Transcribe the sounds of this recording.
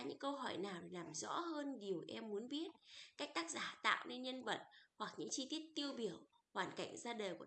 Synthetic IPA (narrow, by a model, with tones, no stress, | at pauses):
ɲɨ̰˧˥ŋkə˧wɦɔ˧˩jnaː˨˩wɗe˨˩laː˨˩mzɔ̰˧˥həː˧nɗi˨˩əwʔɛ˧mːu˨˦ənɓi˦˥ət̚ka˦˥k̟̚t̪aː˦˥k̚zaː˧˩t̪a̰ː˧˨wʔne˧nɲə˧nvə̰˧˨t̚hwa˨˩k̚ɲɨ̰˧˥ŋt͡ɕi˧t̪i˦˥ət̚t̪i˧əwɓi˧˩əw | hwaː˨˩nka̰˧˩jŋ̟zaː˧ɗəː˨˩ku˧˩